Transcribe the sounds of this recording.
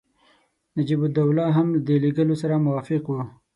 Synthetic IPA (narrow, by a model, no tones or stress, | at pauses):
nad͡ʒibʊd̪awlɑɦamlad̪eleɡəlosaɾamʊwɑfɪqwu